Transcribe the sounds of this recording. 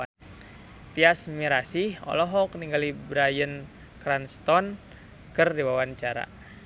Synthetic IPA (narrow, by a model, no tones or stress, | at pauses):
t̪iasmiɾasihɔ̰lɔɦɔkniŋɡalibɾajən | kɾanst̪ɔn | kərdiwawant͡ʃaɾa̰